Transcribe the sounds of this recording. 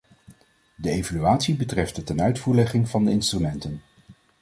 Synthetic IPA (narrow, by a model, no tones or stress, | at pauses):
dəejvalyaːtsibətrɛfd̥ətɛnœɥtfuːɹlɛχɪŋvɑndəɪnstrymɛntən